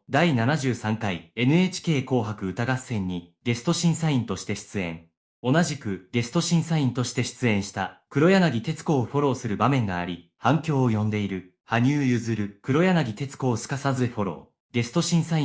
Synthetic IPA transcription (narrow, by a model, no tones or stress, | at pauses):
d̪ainanaʑɨːsãŋkaie̞nɯ̟e̞ːt͡ɕi̥ke̞ːko̞ːɦakɯ̟ɯt̪aɡasẽ̞ɲ̟ːiɡe̞sɨ̥t̪o̞ɕĩɰ̃saĩnt̪o̞ɕi̥t̪e̞ɕi̥t͡sɨẽ̞ŋ | o̞naʑikɯ̟ɡ̥e̞sɨ̥t̪o̞ɕĩɰ̃saĩnt̪o̞ɕi̥t̪e̞ɕi̥t͡sɨẽ̞ɰ̃ɕi̥t̪akɯ̟ɾo̞janaɡʲit̪e̞t͡sɨ̥ko̞ːɸo̞ɾo̞ːsɨɾɯ̟bamẽ̞ŋɡaːɾʲihãŋkʲo̞ːjõ̞nd̪e̞iɾɯ̟ | haɲ̟ɨːjɯ̟zɨɾɯ̟kɯ̟ɾo̞janaɡʲit̪e̞t͡sɨ̥ko̞ːsɨ̥kasazɨɸo̞ɾo̞̰ː | ɡe̞sɨ̥t̪o̞ɕĩɰ̃saĩ